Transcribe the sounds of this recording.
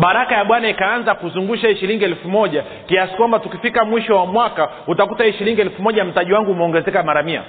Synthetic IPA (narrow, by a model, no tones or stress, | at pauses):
ɓaɾakajaɓwanaikaanzakuzuŋɡuʃaʃiɾiŋɡiɛlfumɔʄa | kiasi̥kwambatukifikamwiʃɔwamwaka | utakutaɛʃiɾiŋɡiɛlfumɔʄam̩taʄiwaŋɡuːmɛɔŋɡɛzɛkamaɾamia̰